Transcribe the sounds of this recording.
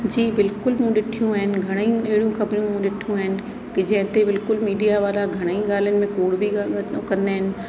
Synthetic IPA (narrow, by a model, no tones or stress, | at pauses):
d͡ʑiːbɪlkʊlmũɗɪʈʰijũaːɦɪnɪ̆ɡʱɐɽ̃əiɐɦɪɽijũxɐbɾijũmũɗɪʈʰijũaːɦɪnɪ̆ | kɪd͡ʑɐ̃ɦɪ̃t̪ebɪlkʊlmiːɗijaʋaːlaɡʱɐɽ̃əiɠaːl̤iənɪ̆mẽkoːɽbʱikɐ̃nd̪aɦɪnɪ̆